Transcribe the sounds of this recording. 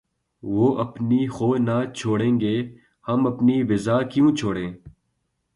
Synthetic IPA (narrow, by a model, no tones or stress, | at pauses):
ʋoːʔɐpnixoːnaːt͡ʃʰoːɽẽːŋɡeː | hɐmɐpniʋɪzaːkjũt͡ʃʰoːɽẽː